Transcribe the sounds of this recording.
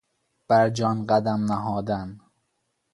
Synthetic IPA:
b̥æɾd͡ʒɒːnɢæd̪æmnæɦɒːd̪æn

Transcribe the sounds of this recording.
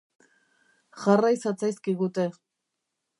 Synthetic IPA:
xarajsat͡sajskiɣut̪e̞

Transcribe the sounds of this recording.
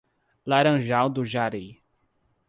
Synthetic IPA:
laɾɐ̃ʒawd̪ʊʒaɾe

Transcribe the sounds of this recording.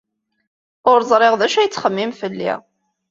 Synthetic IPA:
ʊɾzˤɾˤeʁðæʃæjət͡sːχəmːimfəlːḭ

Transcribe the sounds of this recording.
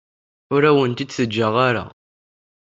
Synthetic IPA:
ʊɾæwənt̪id̪səd͡ʒːəʁaɾa̰

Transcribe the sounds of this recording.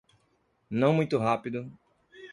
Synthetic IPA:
nɐ̃w̃mũj̃t̪ʊɦapid̪ʊ

